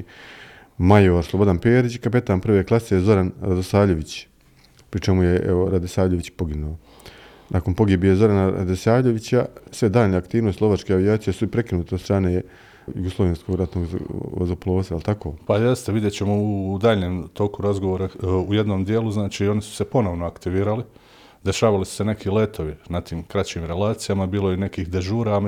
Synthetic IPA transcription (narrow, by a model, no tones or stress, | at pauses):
majoɾslˠobo̞d̪anpeːɾit͡ɕkapet̪aːnpr̩ʋeklˠasejzo̞ɾanɾad̪osaːʎʲe̞ʋit͡ɕ | pɾit͡ʃemujeʔḛʋoɾad̪esaːʋʎʲeʋit͡ɕpo̞ɡinuo | nʔakonpo̞ɡibijezo̞ɾanaɾa̰d̪esaːʋʎe̞ʋit͡ɕasʋe̞d̪aːʎnaakt̪iːʋnost̪lˠo̞ʋat͡ʃke̞aʋijaːt̪sijesuipɾe̞kinuːt̪ed̪st̪ɾaːneː | juɡoslˠoʋenskoɡɾat̪noːɡ̰o̰zoplˠoːsailˠt̪ako̞ːpaje̞st̪eʋid̪jet͡ɕe̞moud̪aːʎɲeːmt̪o̞kuɾazɡo̞ʋoːɾauje̞d̪no̞ːmd̪jeːlˠuznaːt͡ʃiːo̞nisu̥se̞po̞no̞ʋnoakt̪iʋiːɾali | d̪e̞ʃaːʋalisu̥se̞ne̞kile̞t̪ʰo̞ʋinat̪iːmkɾat͡ɕiːmɾe̞lˠaːt̪sijamabiːlo̞jine̞kiːxd̪e̞ʒuːɾa